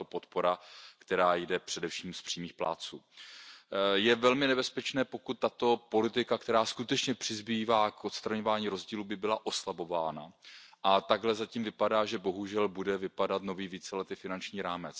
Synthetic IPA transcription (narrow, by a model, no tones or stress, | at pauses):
opo̞t̪po̞ɾakt̪ɛɾaːjdɛpr̥ɛdɛfʃiːmspr̥iːmiːxpla̰ːt͡sṵː | jɛvɛlmɪnɛbɛspɛt͡ʃnɛːpo̞kut̪ːat̪o̞po̞lɪt̪ɪkak̚t̪ɛɾaːskut̪ɛt͡ʃɲɛpr̥ɪzbiːvaːkʔot̪st̪ɾaɲo̞vaːɲiːɾo̞zɟiːluːbɪbɪlaʔo̞slabo̞vaːna̰ʔat̪aɡɦlɛzaciːmvɪpadaːʒɛbo̞ɦuʒɛlbudɛvɪpadat̪no̞viːviːt͡sɛlɛt̪ɪfɪnant͡ʃɲiːɾaːmɛt͡s